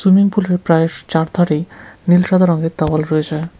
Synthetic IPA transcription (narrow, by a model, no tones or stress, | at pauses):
sumiŋpuleɾpɾaet͡ɕaɾd̪ʰʱaɾinilʃad̪ʱaɾɔŋɡet̪awalɾɔed͡ʑʰae